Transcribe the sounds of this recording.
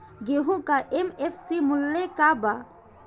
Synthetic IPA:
ɡeɦukaʔemefsimulːekaba

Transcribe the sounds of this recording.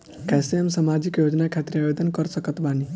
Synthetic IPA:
kɛːseɦəmsamad͡ʒikjod͡ʒnakʰat̪ɾiabed̪ənkəɾsəkət̪bani

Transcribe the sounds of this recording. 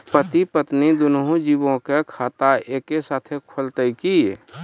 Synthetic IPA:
pət̪ipət̪nid̪ʊnɦũd͡ʒibõkekʰaːt̪aeːkesaːt̪ʰekʰəlt̪əikie

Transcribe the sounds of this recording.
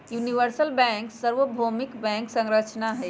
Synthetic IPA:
juniʋəɾsəlbɛ̃ŋksəɾʋəbʱomikbɛ̃ŋksə̃ŋɾət͡ʃnaɦɛ

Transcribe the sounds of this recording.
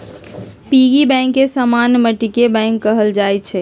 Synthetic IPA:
piɡibɛ̃ŋkːesəmanməʈikebɛ̃ŋkːəɦəld͡ʒajt̪̚t͡ʃʰɛ

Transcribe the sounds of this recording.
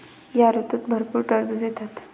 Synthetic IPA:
jaɾut̪ut̪bʱəɾpuːɾʈəɾbud͡zet̪at̪

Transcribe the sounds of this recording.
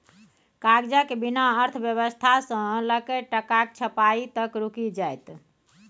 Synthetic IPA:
kaɡd͡ʒakebinaəɾt̪ʰəbjəβəst̪ʰasə̃ləkəʈəkak̚t͡ʃʰəpait̪əkɾukid͡ʒajt̪

